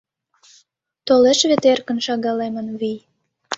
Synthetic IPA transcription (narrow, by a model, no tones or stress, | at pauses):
t̪oleʃβet̪erkə̆nʃɑɣɑlemənβij